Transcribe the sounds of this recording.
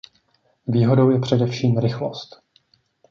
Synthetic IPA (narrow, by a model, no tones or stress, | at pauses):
viːɦo̞do̞wjɛpr̝̥ɛdɛfʃiːmɾɪxlo̰st̪